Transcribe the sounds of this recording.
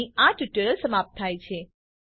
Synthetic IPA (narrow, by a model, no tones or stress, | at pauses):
iaʈjuʈəɾəlsəmap̚t̪ʰːajt͡ʃʰe